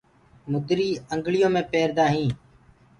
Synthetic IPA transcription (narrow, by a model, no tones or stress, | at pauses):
mʊd̪ɾiːəŋɡɭɪjõːmẽːpeːɾd̪ãːɦĩː